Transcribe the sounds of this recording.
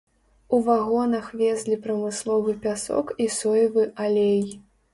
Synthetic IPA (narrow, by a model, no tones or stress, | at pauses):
uvaɣɔnɐxvʲɛzʲlʲipɾɐmɨslˠɔvɨpʲasɔ̰kisɔjivɨʔalʲej